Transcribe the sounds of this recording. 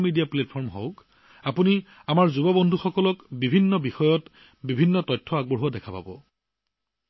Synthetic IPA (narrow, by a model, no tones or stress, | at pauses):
midijapletpʰɔɹmɦowk | apuni | amaɹzubɔbɔndʱuxɔkɔlɔkbibʱinːɔbixɔjɔt | bibʱinːɔtɔjtʰːɔaɡ̚bɔɹɦuadɛkʰapa̰bɔ̰